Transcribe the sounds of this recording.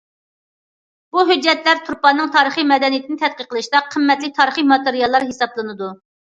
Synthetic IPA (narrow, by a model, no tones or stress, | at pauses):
b̥uɦød͡ʒːɛt̪læɾt̪ʰuɾpɑnːɨŋt̪ʰɑːɾəχimɛd̪ɛnijit̪ʰɪnɪt̪ʰɛt̪̚qəqʰːəlˠɨʃt̪ɑqʰəmːɛt̪lɪk̚ʲt̪ʰɑːɾəχimɑt̪eɾijɑlˠːɑɾɦesɑblˠɨnɨd̪u